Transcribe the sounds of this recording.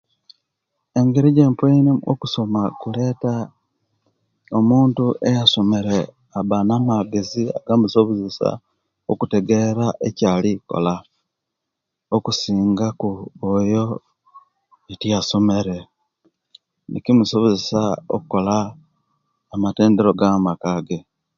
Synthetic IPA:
e̞ŋɡeɾiɟe̞ːmpenio̰kuso̞makule̞ːta | omuːntuʔejaso̞me̞ɾe | aβanamaɡe̞zia̰ɡamusoβuzesa̰ | okuteɡe̞ɾaʔecaːliko̰la | okusiːŋɡakuojo̞ | etijaso̞me̞ɾe̞ | nḭcimusoβozesao̰kuko̞la | mate̞ːndeɾo̞ɡamakaɡe̞

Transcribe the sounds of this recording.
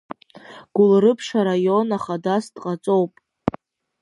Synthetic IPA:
ɡ̥ʷʊlrɨpʰʂaɾajo̞naχadasdqʼat͡sʼo̞wpʼ

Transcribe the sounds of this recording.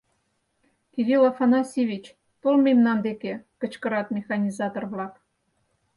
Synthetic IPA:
kʲivʲilɑfɑnɑsʲiβʲit͡ɕ | t̪olmʲemnɑnd̪ekʲekə̆t͡ɕkə̆ɾɑt̪mʲexɑnʲizɑt̪orβlɑk

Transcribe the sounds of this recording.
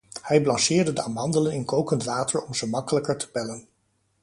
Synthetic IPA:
hɛjblɑnsɪːɹdədəaːmɦɑndələnɪnkowkəntʋaːtəɹɔmzəmɑkələkəɹtə̥pɛlən

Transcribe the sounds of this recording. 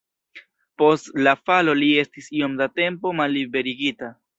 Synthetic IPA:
po̞stlafalo̞lie̞stisio̞mdate̞mpo̞malːibe̞ɾiɡita

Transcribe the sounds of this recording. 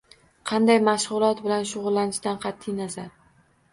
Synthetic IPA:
qʰɑnd̪ajmaʃʁʊlˠɒt̪bɪlanʃʊʁʊlˠːanɪʃd̪anqʰɑt̪ʰːɪjnazaɾ

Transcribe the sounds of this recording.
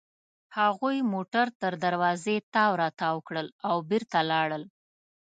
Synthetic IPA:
haɣujmoʈaɾt̪əɾd̪aɾwɑzet̪ɑwɾɑt̪ɑwəkɽəlawbɪɾt̪alɑɽəl

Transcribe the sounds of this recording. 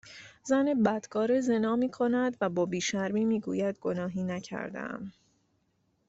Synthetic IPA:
zæne̞bæd̪̥ɡʰɒːɾeze̞nɒːmiːkʰo̞næd̪væbɒːbiːʃæɾmiːmiːɡṵːjæd̪̚ɡonɒːɦiːnæcʰæ̰ɾd̪ḛæ̰m

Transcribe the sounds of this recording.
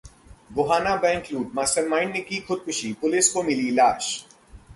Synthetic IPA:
bʊɦaːnabɛ̃ːŋkluːʈ̚maːsəɾmãːɪɳɖnekixʰʊd̪̚kʰʊʃipʊlɪskomɪlilaːʃ

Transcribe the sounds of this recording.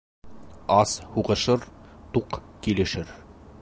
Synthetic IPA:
ɑshuʁɤ̆ʃɤɾt̪uqkilɘ̆ʃɘɾ

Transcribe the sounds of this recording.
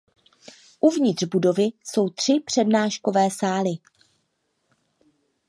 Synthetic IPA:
ʔuvɲɪt̪r̥budo̞vɪso̞wt̪r̝̥ɪpr̝̥ɛdnaːʃko̞vɛːsaːlɪ

